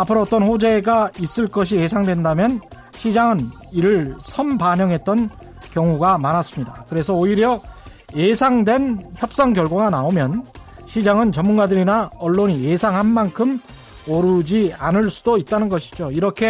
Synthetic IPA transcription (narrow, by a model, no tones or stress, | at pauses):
apʰɯɾoːt͈ʌnɸod͡ʑe̞ɡais͈ɯɭk͈ʌɕ̬ʰie̞sʰaŋdwe̞ndamjʌn | ɕʰid͡ʑaŋɯn | iɾɯɭsʰʌmpaɲʌŋɦe̞t̚t͈ʌn | kjʌŋuɡamanas͈ɯmɲida̰kɯɾe̞sʰʌoiɾjʌ | jesʰaŋdwe̞nçjʌp̚s͈aŋkjʌɭɡwʌɡanaomjʌn | ɕʰid͡ʑaŋɯnt͡ɕʌmːunɡadɯɾinaʌɭːoɲije̞sʰaŋɦanmankʰɯm | ʌɾud͡ʑianɯɭs͈udoit̚t͈anɯnɡʌɕʰi̥d͡ʑoiɾʌkʰe̞